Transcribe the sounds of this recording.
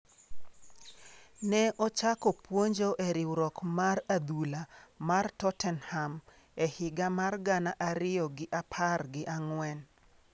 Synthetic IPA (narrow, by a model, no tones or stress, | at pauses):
nɛʔɔt͡ʃakɔpwoɲd͡ʒoʔɛɾɪwɾɔkmarad̪ulamartɔtɛnham | ɛhɪɡamarɡanaʔaɾɪjɔɡɪʔapʰarɡɪʔaŋwɛn